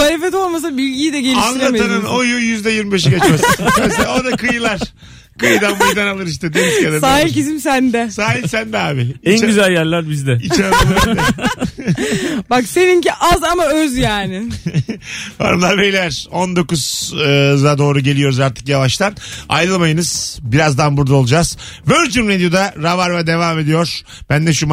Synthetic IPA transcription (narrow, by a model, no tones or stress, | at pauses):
aɾefɛt̪o̞lˠmas̬abyɟiid̪ɛɟelianilʲˠateɯnɯnojujyzd̪ɛjiɾmibeʃ̬ikat͡ʃmasɯmeselaod̪akɯjɯlˠaɾ̥ | kɯjd̪anbuʒd̪analˠɯɾiʃ̬t̪ʰɛd̪eniscad̪asaːɦilʲcizimsænd̪ɛsaːɦilʲsænd̪ɛaːbɪɛnt͡ʃɟyzælʲjæɾlʲæɾbizd̪ɛit͡ʃaalˠaɛ | bakse̞viɲciʔazamaøzjaːnɪ | ba̰ɾɯmlˠaɾmejlʲæɾ̥o̞nd̪o̞kuzɯlad̪o̞ːɾuɟelʲijo̞ɾuzaɾt̪ʰɯ̥kjavaʃt̪ʰana̰jɾɯlˠmajɯnɯz̥biɾazd̪anbuɾd̪aolˠud͡ʒaz̥vøɾd͡ʒyɾmed̪ijo̞d̪aɾavaɾvad̪e̞vaːme̞d̪ijo̞ɾ̥ | b̥ænd̪ɛʃum